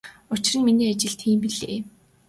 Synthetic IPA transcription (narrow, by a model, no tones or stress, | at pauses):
ʊt͡ɕɪ̆rə̆nminiːat͡ɕɪ̆ɮɬt̪ʰxiːmpiɮḛː